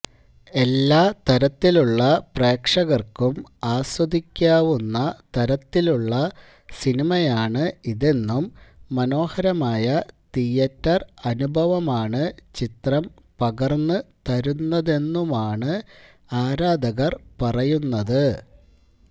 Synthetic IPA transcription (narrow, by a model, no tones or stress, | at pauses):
e̞lːaːt̪ɐɾɐt̪ːiluɭːɐpre̞ːkʂɐɣɐrkumaːswɐd̪ʱikʲːaːʋunːɐt̪ɐɾɐt̪ːiluɭːɐ | sinimɐjaːɳɨiðe̞nːumːɐno̞ːhɐɾɐmaːjɐt̪ijɐtːɐrɐnubʱɐʋɐmaːɳɨt͡ɕit̪rɐm | pɐɣɐrnːɨt̪ɐɾunːɐðe̞nːumaːɳɨ | aːɾaːd̪ʱɐɣɐrpɐrɐjunːɐðɨ